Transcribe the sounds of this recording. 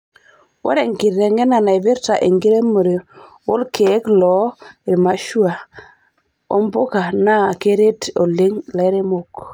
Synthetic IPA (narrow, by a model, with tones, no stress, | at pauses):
wo̰˦ɾe˨ŋɡi˨ɾe˨ŋe˦na˨na˨i˨vi˦ɾta˨ʔe˨ŋɡi˦ɾe˦mə˨ɾi˨ | wo˦lkʰe˨˦klɔ˨˦i˨ɾma˨˦ʃu˦a˨ | o̰˦mbo˦ka˨na˦˨ke˦ɾe˦to˨le˦ŋla˨˦ɾe˦mo˨k